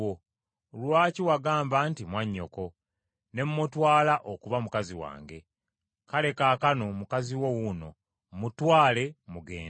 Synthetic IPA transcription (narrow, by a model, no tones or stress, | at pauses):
o | lwaːciwaɡaːmbantimwaɲːo̞̰ko̞ | ne̞mumutwaːlaʔokuβamukaziwa̰ːŋɡe̞̰ | kale̞kaːkano̞mukaziwowuno̞̰ | mutwaːle̞muɡḛːn